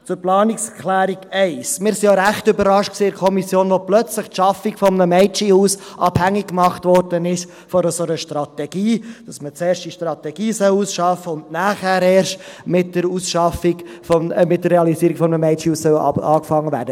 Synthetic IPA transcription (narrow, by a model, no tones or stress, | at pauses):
t͡sʊɾplɑːnikskʰlæːɾiɡɛɪsmɪːɾsijoɾæχtʏbəɾɑʃt̚ksiːɪɾkʰɔmisjoːnʋɔplœt͡sləχtʃɑfikfɔmnəmɛɪt͡ʃihuːsʔɑb̥hæŋːikːmɑχtvɔrdənɪʃ | fɔɾəsoɾəʃtɾɑtɛɡ̥iːd̥ɑsmət͡seːɾʃtd̥iʃtɾɑt̪ɛɡ̥iːsœwuːsʃɑfəʊndnæːχæːɾɛːɾʃtmɪtːəɾuːsʃɑfiɡfɔmɪtdərɛɑlisiːəɾiɡ̥fɔmənəmɛɪt͡ʃihuːssœw̰ɑːkfɑŋːəvæ̰ːɾdə